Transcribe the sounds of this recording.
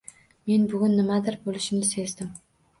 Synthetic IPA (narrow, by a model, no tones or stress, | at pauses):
me̞nbʊɡʲʊnːɪmad̪ɪɾbolˠɪʃɪmlɪse̞zd̪ɪm